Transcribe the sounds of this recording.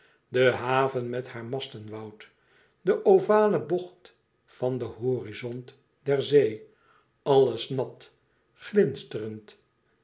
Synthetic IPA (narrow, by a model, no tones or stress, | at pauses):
dəɦaːvənmɛthaːɹmɑstənʋɑwt | dəʔowvaːləbɔχt | fɑndəɦoːrizɔnt | dɛɹzej | ɑləsnɑt | χlɪnstərənt